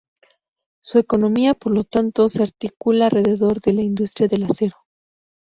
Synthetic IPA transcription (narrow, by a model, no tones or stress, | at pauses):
sue̞ko̞no̞miapo̞ɾlo̞t̪ant̪o̞seaɾt̪ikulaːlre̞ðe̞ðo̞ɾðe̞laind̪ust̪ɾjaðe̞lase̞ɾo